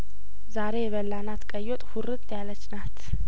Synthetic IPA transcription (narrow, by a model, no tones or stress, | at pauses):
zaɾe̞jɛβəlːanat̪kʼəjːot̪ʼhuɾɨt̪ʼjalət͡ʃːnat̪